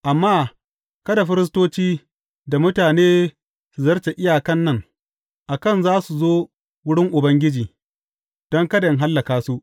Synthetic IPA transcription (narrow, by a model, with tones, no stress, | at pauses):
ʔa˨mːaː˦ | kɐ˦da˨ɸɪ˦ɾɪ˦s̬toː˦t͡ʃiː˦ | da˨mʊ˦taː˨neː˦ | su˨zɐ˦rt͡ʃe˨ʔɪ˦jaː˨kɐ˦nːɐ˦˨ŋ | ʔa˨kɐ˦nzaː˦su˨zoː˦ | wʊ˦ɽɪ˦ŋʔʊ˨bɐ˦ŋɡʲɪ˦d͡ʒiː˨ | d̥ɔ˦ŋkɐ˦da˨ɪ˦ŋɦa˦lːɐ˨kaː˦su˦ʔ